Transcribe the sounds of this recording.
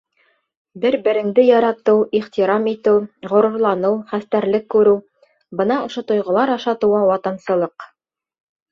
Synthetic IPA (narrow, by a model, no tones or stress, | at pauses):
bɘɾbɘ̆ɾɘ̆ŋd̪ɘjɑɾɑt̪ɤwiχt̪iɾɑmit̪ɘwʁŏɾŭɾlˠɑnɤwχæst̪æɾlɘkːʉɾɘw | bɤ̆nɑŏʃot̪ŏjʁɤ̆lˠɑɾɑʃɑt̪ɤ̆wɑwɑt̪ɑnsɤ̆lˠɤq